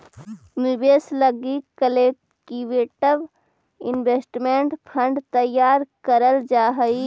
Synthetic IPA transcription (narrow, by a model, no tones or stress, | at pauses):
mibeːsləɡikəle | ʈiʋeːʈəʋ | ɪnʋeːsʈmeɳʈpʰə̃ɳɖt̪əjaːɾkəɾəld͡ʒaːɦəi